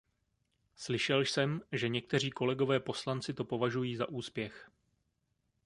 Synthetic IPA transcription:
slɪʃɛlʃsɛmʒɛɲɛk̚t̪ɛr̝iːko̞lɛɡo̞vɛːpo̞slant͡sɪt̪o̞po̞vaʒujiːza̰ʔuːspjɛx

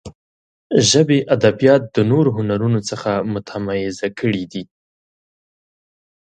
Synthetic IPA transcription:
ʒəbeʔad̪abijɑt̪̚d̪̥ənoɾoɦʊnaɾunot͡səxamʊt̪ʰamajɪzakʰəɽid̪i

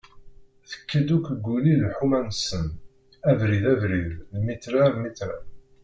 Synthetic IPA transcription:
θə̥kːəd̪ukʷːɡːulilħumænsən | ævɾiðævɾiðlmit̪ɾalmit̪ɾa̰

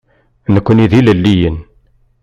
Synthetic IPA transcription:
nəkʷːəniðiləlːijən

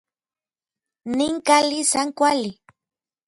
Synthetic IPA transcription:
nɪŋkalisaŋkwalɪ

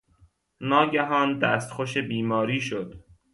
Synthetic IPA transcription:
nɒːɟæɦɒːnd̪æːst̪xoʃebiːmɒːɾiːʃod̪̥

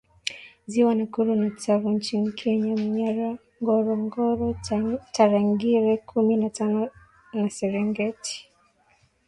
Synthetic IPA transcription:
ziwanakuɾunatavuɲ̩t͡ʃinikʰɛɲamuɲaɾa | ŋɡɔɾɔŋɡɔɾɔtaɾaŋɡiɾɛkʰuminatanɔ | nasɛɾɛŋɡɛti̥

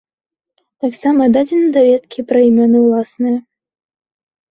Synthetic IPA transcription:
t̪aksamɐd̪ad͡zʲinɐd̪avʲɛt̪kʲipɾɐimʲɔnɨwlˠasnɨjɐ

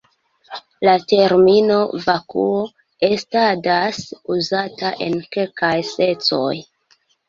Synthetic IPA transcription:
late̞ɾmino̞vakṵo | e̞stadasuzataʔe̞̰nke̞lkajse̞t͡so̞̰j

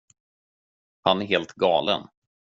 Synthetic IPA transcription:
hanæɾɦeːlt̪ɡɑːlə̰n

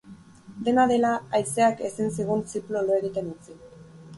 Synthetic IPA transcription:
d̪e̞naðe̞laːjse̞ake̞sinsiɣ̞unt͡siploloeɣit̪e̞nut͡si

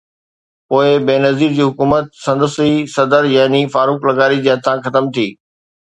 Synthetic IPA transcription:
poːɪbeːnɐziːɾd͡ʑiːɦʊkuːmət̪̚sɐ̃nd̪əsisɐd̪əɾjaːnifaːɾuːklɐɡaːɾid͡ʑeːɦɐt̪ʰãxɐt̪əmt̪ʰiː

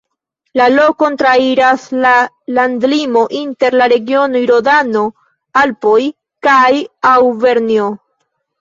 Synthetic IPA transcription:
lalo̞ko̞ntɾaiɾasla | landlimo̞ʔinte̞ɾlaɾe̞ɡio̞nojɾo̞dano̞ | alpoj | kajawve̞ɾnio

